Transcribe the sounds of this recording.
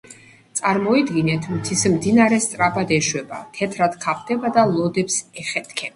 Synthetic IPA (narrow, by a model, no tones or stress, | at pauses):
t̪sʼaɾmɔid̪ɡinɛt̪ʰmt̪ʰismd̪inaɾɛst̪sʼɾapʰad̪ɛʃwɛba̰t̪ʰɛt̪ʰɾat̪kʰap̚ʰt̪ʰɛbad̪alˠɔd̪ɛpsɛχɛt̪ʰkʰɛ